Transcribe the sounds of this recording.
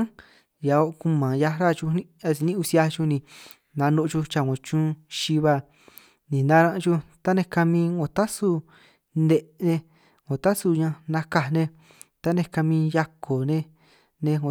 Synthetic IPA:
ja˨˧o˧ʔku˧mã˨ja˧ɾa˦˨t͡ʃu˧nĩ˦a˧si˧nĩ˦˧u˧si˧˦a˧t͡ʃu˧nĩ˧ | nã˨˧nõ˧ʔt͡ʃu˧t͡ʃa˧˨ŋõ˨t͡ʃũ˦ʃi˧βa˧ | nĩ˨nã˦˧ɾã˧ʔt͡ʃu˧t̪a˦nẽ˧ka˧mĩ˧ŋõ˨t̪a˦su˧ | ne˧ʔnẽ˧ | ŋõ˨t̪a˦su˧ɲã˧nã˧ka˧nẽ˧ | t̪a˦nẽ˧ka˧mĩ˧ja˧kʰo˨nẽ˧ | nẽ˧ŋo˨

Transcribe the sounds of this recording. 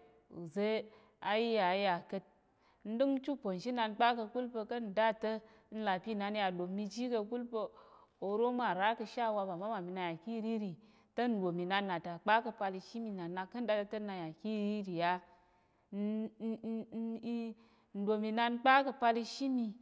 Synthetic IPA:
ṵ˨ze˦ | a˧ji˦ja˨˦ja˨kə˧t̚ | n̩˦dɨ˦ŋ˦t͡ʃu˦po˨n˨ʃi˦na˧n˦k͡pa˦kə˧ku˦lpə˧kə˦n̩˨da˦tə˦ | n̩˦la˨pi˦˨na˨˧n˦ja˧do˨mmːi˧d͡ʒi˦kə˧ku˦lpə˧o˧ɾo˦ma˨ɾa˦kə˧ʃa˦˧wa˧ba˨ma˨˦ma˨mi˧na˧ja˨ki˦ɾi˦ɾi˨ | tə˦n̩˨do˨mi˨na˧nːa˨ta˨k͡pa˦kə˧pa˧li˧ʃi˦mi˧˨na˨na˧kːə˦n̩˦da˦ttə˦na˧ja˨ki˦ɾi˦ɾi˨ja˦ | n˦ | n̩˨dʷo˨mi˧na˧n˦k͡pa˦kə˧pa˧li˧ʃi˦mi˧

